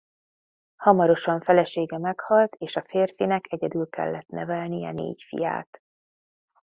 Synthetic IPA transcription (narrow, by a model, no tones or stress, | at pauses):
hɒmɒɾo̞ʃɒɱfɛlɛʃeːɡɛmɛkhɒlt̪ʰeːʃɒfeːrfinɛkʰɛɟɛd̪ylkɛ̰lːɛt̪nɛvɛlnijɛ̰nḛːcfḭja̰ːt̪